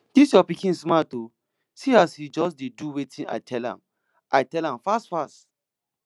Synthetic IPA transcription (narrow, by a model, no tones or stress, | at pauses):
d̥isjɔpikĩnsmato | siashid͡ʒɔsdeduwetʰĩna̰ɪtʰɛlã̰m | ʔaɪtɛlãmfastfast